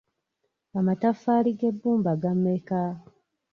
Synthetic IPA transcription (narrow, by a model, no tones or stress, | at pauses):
amatafːaːliɡe̞bːuːmbaɡamːeka